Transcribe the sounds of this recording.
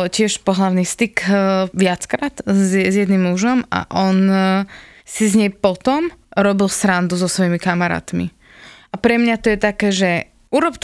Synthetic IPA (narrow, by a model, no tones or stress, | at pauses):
cɪɛʃpɔɦlaʊnist̪ikʋɪat͡skɾat̪zzjɛd̪nimːuʒɔma̰ʔɔn | sizɲɛjpɔt̪ɔmɾɔbilsɾand̪uzɔsʋɔjimikamaɾa̰ːt̪mḭ | ʔapɾɛmɲat̪ɔjɛt̪akɛːʒɛ | uɾɔpt͡ʃ